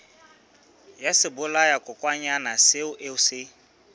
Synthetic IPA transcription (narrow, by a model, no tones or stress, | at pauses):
jasɪbʊlajakʼʊkʼwaɲanasɪʊʔeʊsɪ